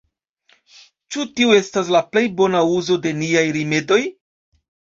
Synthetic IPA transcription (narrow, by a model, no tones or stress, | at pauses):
t͡ʃutiue̞stas̬laple̞jbo̞nauzo̞de̞niajɾime̞do̞j